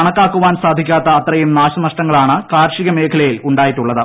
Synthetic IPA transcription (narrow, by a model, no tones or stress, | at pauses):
ɐɳɐkːaːkːuʋaːnsaːd̪ʱikʲːaːt̪ːɐːt̪ːrɐjumnaːɕɐnɐʂʈɐŋːɐɭaːɳɨkaːɾʂiɣɐme̞ːkʰɐlɐjiluɳɖaːjiʈːuɭːɐðɨ